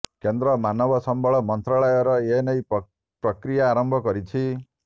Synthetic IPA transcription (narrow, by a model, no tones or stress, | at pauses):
kend̪ɾɔmanɔbɔsɔmbʱɔɭɔmɔnt̪ɾaɭɔjɔɾɔenʌj | pɾɔkɾijaːɾɔmbʱɔkɔɾit͡ʃʰi